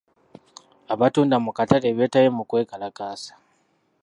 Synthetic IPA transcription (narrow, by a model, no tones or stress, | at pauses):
aβatuːndamukataleβe̞ːtajemukwe̞ːkalakaːsḁ